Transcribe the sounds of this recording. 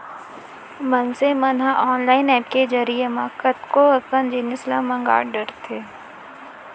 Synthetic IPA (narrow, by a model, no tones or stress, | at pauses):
mənsemɐnɦãʔɔːnlaːɪnɛːp̚ked͡ʒɐɾijemãkət̪koəkənd͡ʒiːnɪslamɐ̃ŋɡa̰ːɽɖəɾt̪ʰeː